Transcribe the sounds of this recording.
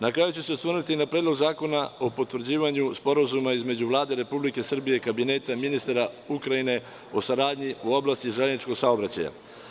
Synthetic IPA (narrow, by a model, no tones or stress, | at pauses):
nakɾaːjut͡ɕeseost̪ʋərɾnuit̪inapɾeːd̪loɡzaːko̞nao̞po̞t̪ʋr̩d͡ʑiːʋaɲuspo̞ɾazumaizme̞d͡ʑuʋlˠaːd̪e̞ɾe̞publike̞sr̩bijekabine̞ːt̪aminist̪aɾa | ukɾajine̞ | o̞saɾaːd̪ɲiuo̞blast̪iʒelenit͡ʃko̞ɡsao̞bɾat͡ɕa̰ja̰